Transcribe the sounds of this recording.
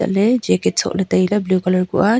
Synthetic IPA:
a̰ʔlɛd͡ʒɛkɛt̚sɔ̰ʔlɛt̪ajlablukɔlɔɹkɔ̰ʔa

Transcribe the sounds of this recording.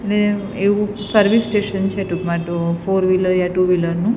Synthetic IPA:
eʈle | eʋũsəɾʋisːʈeʃənt͡ʃʰeʈukmãʈofoɾʋiləɾjaʈuʋiləɾnũ

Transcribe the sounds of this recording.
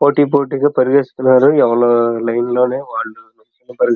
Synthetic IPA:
poːʈːiːpoːʈiːkɐpɐɾiɣeːsu̥k̪unːaːɾuɛʋɐɭoːlɐjnloːneːʋaːɭːunɐkːɐnɐpɐɾuɡ

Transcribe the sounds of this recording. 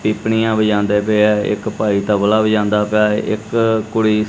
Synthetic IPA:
piːpɳiːãːbəd͡ʒãːnd̪eːpeːɛɪ̰kpaːiːt̪ãːbəlaːbəd͡ʒãːnd̪aːpjaːɪkːʊɽiː

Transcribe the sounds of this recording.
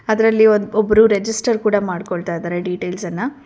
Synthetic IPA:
ɐd̪ɐɾɐlːiond̪ɔbɐɾuɾed͡ʒisʈɐɾkuːɽɐmaːɽkoɭt̪aːjd̪aːɾeɖiːʈeːlsɐnːɐ

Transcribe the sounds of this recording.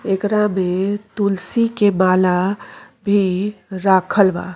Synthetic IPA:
ekɾamet̪ulsikemala | bʱiɾakʰəlba̰

